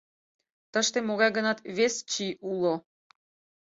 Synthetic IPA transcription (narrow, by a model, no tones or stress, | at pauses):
t̪ə̆ʃt̪ĕmoɣɑjɡənɑt̪βest͡ɕiulˠo